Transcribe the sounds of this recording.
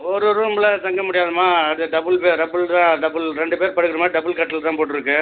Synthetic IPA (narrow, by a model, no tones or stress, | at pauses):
ɔɾɯɾuːmɪlɐt̪ɐŋɡɐmʊɽɪjaːðɯmaːɐðɯɖɐbɯlpeːɖɐbɯɭt̪ãːɖɐbɯlɾɛɳɖɯpeːɾpɐɽɯɣɪɾɯmaːɖɐbɯlkɐʈːɪlt̪ãːpoːʈːɪɾɯkːɯ